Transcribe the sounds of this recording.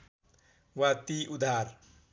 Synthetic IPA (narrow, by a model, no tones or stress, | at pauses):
wat̪iːʔud̪ʱaːɾ